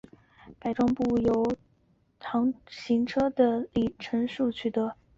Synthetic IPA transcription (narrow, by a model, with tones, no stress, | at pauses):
pa˨˩ɪʈ͡ʂʊ˥ŋpu˥˩jo˧˥ʊ | t̪ʰɑ˧˥ŋɕi˧˥ŋʈ͡ʂʰɤ˥d̪ə˨li˥˩ʈ͡ʂʰə˧˥ŋʂu˥˩t͡ɕʰy˨˩t̪ɤ˧˥